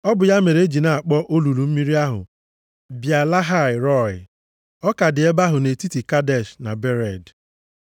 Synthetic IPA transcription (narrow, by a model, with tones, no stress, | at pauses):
ɔ˦bʊ˨ja˦me˨ɾe˦e˦d͡ʒi˨na˨a˨k͡pɔ˦ʔo˦lu˨lu˨m̩˦mi˦ɾi˦a˦ɦʊ̰˨ | bja˨la˦ɦa˦˨ɪ˨ɾɔ˦˨ɪ˨ | ɔ˦ka˨dɪ˨e˦ba˦ɦʊ˨ne˨ti˦ti˨ka˦dɛ˨ʃna˨be˦ɾɛ˨d